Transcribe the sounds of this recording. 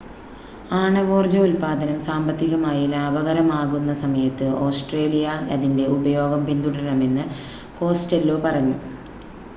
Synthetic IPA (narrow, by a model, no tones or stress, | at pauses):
aːɳɐʋo̞ːrd͡ʑɐulpaːd̪ɐnɐmsaːmbɐt̪ːiɣɐmaːjilaɐʋɐɣɐɾɐmaːɣunːɐsɐmɐjɐt̪ːɨo̞ːsʈre̞ːlijɐɐðinde̞ubɐjo̞ːɡɐmpind̪uɽɐɐɳɐme̞nːɨ | ko̞ːstɐlːoːpɐrɐɲːu